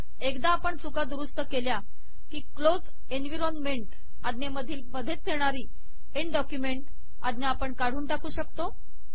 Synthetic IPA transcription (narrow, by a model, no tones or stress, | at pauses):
ekd̪aːpəɳt͡sukad̪uɾust̪əkelja | kiːklod͡z | enʋiɾonmeɳʈ | ad̪neməd̪ʱiːlməd̪ʱːet͡st̪ʰeɳ̃aɾiː | eɳɖɔkjumeɳʈ | a̰d̪njeapəɳkaɽ̤uːnʈakuːɕəkt̪o